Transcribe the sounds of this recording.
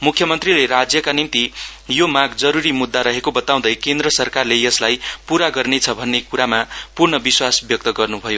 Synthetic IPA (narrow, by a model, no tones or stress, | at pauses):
mukʰjʌmʌnt̪rileɾad͡zjʌkanint̪ijomaɡd͡zʌɾuɾimud̪ːaɾʌɦekobʌt̪aw̃d̪ʌjkend̪rʌsʌrkarlejʌslajpuɾaɡʌrnet͡sʰʌbʱʌnːekuɾamapurɳʌbiswasbjʌk̚t̪ʌɡʌrnubʱʌjo